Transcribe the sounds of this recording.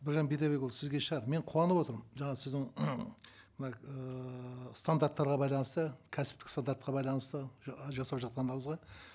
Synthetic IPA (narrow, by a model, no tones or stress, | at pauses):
bɪɾʒɑnbet̪ɑβekulˠsɪzɡʲe̞ʃəʁɑd̪əme̞ɴqʰuwɑnəpo̞t̪əɾʒɑɴɑsɪzd̪ɪŋ | mɪnɑə | st̪and̪aɾt̪ːɑɾʁɑbɑjlˠɑnəst̪əkʲʰæsɪpt̪ɪkst̪and̪aɾt̪qɑbɑjlˠɑnəst̪əʒɑsɑpʒɑt̪̚qɑnd̪ɑɾəɴəzʁɑ